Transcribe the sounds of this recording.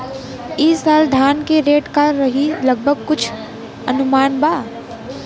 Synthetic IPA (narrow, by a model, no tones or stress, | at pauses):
iːsaːld̪ʱaːnkeɾeːʈkaɾɐɦilɐɡ̚bʱəɡ̚kʊt͡ʃʰ | ɐnʊmaːnbaː